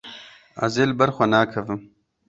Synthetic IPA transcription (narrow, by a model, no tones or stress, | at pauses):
ɐ̰zeːlbɐɾxʷwɐnaːkʰɐvɨm